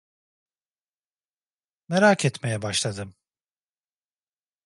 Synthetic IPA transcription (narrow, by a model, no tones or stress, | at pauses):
meɾaːkʰɛt̪mejɛbaʃlˠad̪ɯm